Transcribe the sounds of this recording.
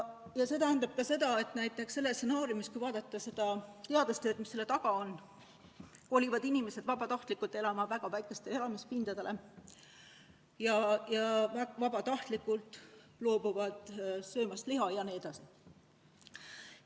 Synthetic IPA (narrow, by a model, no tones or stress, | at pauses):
jɑse̞ːt̪æɦːnɑb̥̚kɑse̞d̪ɑe̞t̪ˑnæjt̪ːˑe̞ksːe̞lːese̞nɑːɾjumiskujvɑːd̪̥ɑt̪ːˑɑse̞d̪̥ɑt̪e̞ɑd̪ust̪øːd̪misːe̞lːe̞t̪ɑɡ̥ɑon | ko̞ːlivɑd̪̥inimese̞d̪̥vɑbɑt̪ɑht̪likːult̪e̞lɑmɑvæɡ̥ɑvæjkˑe̞st̪ee̞lɑmispind̪̥ɑd̪e̞lʔe̞ | jɑjɑvvɑbɑt̪ɑht̪likːult̪ˑ | lo̞ːb̥uvɑd̪̥sø̞ːmɑst̪liɦɑjɑnied̪ɑsi